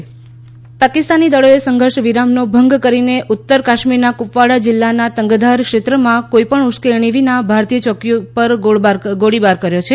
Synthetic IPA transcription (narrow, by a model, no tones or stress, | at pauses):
pakɪst̪anid̪əɭoesəŋɡʱəɾʃʋiɾamnobʱəŋɡkəɾineʔʊt̪ːəɾkaʃmiɾnakupʋaɽad͡ʒɪlːanat̪əŋɡd̪ʱaɾkʃet̪ɾəmãkoipəɳuskeɳ̃iʋinabʱaɾt̪ijət͡ʃɔkjupəɾaɡoɽibaɾkəɾjot͡ʃʰe